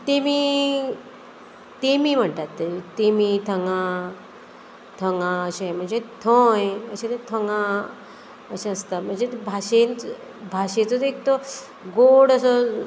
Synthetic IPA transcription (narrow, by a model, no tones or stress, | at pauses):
t̪emiː | t̪emiːm̤əɳʈ̪at̪ːet̪emit̪ʰəŋɡã | t̪ʰəŋɡaəɕẽm̤əɳd͡zet̪ʰõjəɕẽt̪et̪ʰəŋɡã | əɕẽəst̪am̤əɳd͡zet̪ebʱaɕẽnt͡s | bʱaɕẽt͡sɔt̪ek̚t̪o | ɡoɽəsə